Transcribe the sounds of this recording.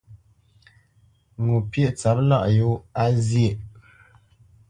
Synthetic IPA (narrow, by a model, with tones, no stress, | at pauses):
ŋu˨pje˦ʔt͡sa˨˦p̚la̰˦ʔjo˦a˦zje˦˨